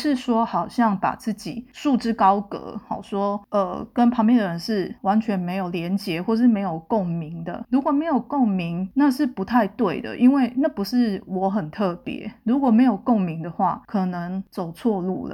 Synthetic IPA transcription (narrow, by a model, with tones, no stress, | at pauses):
ʂɻ̩˥˨ʂwɔ˥xɑ˨˩ʊɕjɑ˥˩ŋpa̰˨˩t͡sɹ̩˥˩t͡ɕi˨˩ʂu˥˩ʈ͡ʂɻ̩˥kɑ˥ʊkɤ̰˧˦hɑ̰˨˩ʂwɔ˥ə̰˨˩kə˦˥npʰɑ˧˥ŋmpjɛ˨˩nd̪ə˩ɻə˧˦nʂɻ̩˥˩wa˧˦nt͡ɕʰɥɛ˧˥nme˧˥ɪjo˨˩ʊljɛ˧˦nt͡ɕjɛ˧˦xwɔ˥˧ʂɻ̩˥˩me˧˥ɪjo˨˩ʊko˥˩ŋmi˧˥˦ŋd̪ə̰˧˨ɻu˧˥kwɔ˨˩me˧˥ɪjo˨˩ʊko˥˩ŋmi˧˥ŋna˥˧ʂɻ̩˥˩pu˧˦˥t̪ʰa˥˧ɪt̪we˥˩ɪd̪ə̰˩ʔi˦˥nwe˥˩ɪna˥˩pu˧˥ʂɻ̩˥˩wɔ˧˥xə˨˩nt̪ʰɤ˥˩pjɛ̰˧˦ɻu˧˥kwɔ˨˩me˧˥ɪjo˨˩ʊko˥˩ŋmi˧˦˥ŋd̪ə˧˨xwa˥˩kʰɤ˨˩nə˧˦ŋt͡so˨˩ʊt͡sʰwɔ˥˧lṵ˥˩lə̰˩